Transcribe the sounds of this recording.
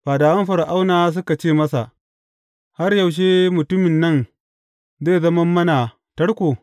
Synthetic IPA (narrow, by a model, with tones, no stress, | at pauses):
ɸaː˨daː˨wɐ˦mɸɐ˨ɾa˨ʔa˦wnaː˨˦s̬ʊ˦ka˨t͡ʃeː˦˨mɐ˦sa̰˨ | ha˦rja˨wʃ̬eː˦mʊ˨tʊ˦mɪ˨nːɐ˦˨n | zeː˦˨zɐ˦mɐ˦mːɐ˦na˨ | tɐ˦ɽkʷoː˨